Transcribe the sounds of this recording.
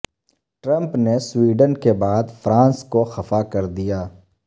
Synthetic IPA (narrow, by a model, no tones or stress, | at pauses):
ʈɾə̃mpneswiːɖənkebaːd̪fɾãːnskoxɐfakɐɾd̪ijaː